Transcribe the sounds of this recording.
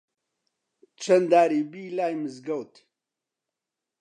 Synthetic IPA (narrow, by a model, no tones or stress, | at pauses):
t͡ʃʰɐnd̪aːɾiːbiːlaːjmɨzɡɐwt̪